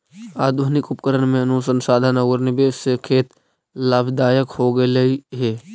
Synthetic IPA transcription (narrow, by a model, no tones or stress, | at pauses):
aːd̪ʱunɪkʊpkəɾənmẽɐnuːsənsaːd̪ʱanɐɡoɾnɪbeːssekʰeːt̪ | laːbʱd̪aːjəkhoːɡəlɐiɦɛː